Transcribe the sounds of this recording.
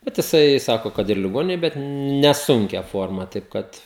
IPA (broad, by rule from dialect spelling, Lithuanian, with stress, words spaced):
ˈbʲɛt jɪˈsɐɪ ˈsɑːkoː ˈkɐt ɪr lʲɪˈɡoːnʲɪnʲeːj ˈbʲɛt nʲɛˈsʊŋʲkʲɛ ˈfoːrmɐ tɐɪp ˈkɐt